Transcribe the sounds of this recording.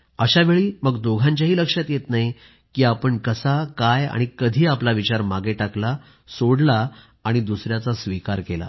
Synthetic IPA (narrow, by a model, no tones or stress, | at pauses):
əɕaʋeɭiːməɡd̪oɡʱãɲt͡ɕaɦiːləkʂjat̪jet̪naɦi | kiːapəɳkəsakaja̰ɽ̃ikəd̪ʱiːaplaʋit͡ɕaɾmaɡeʈakla | soɽlaː | ɽ̃id̪usɾjat͡sasʋikaɾkela̰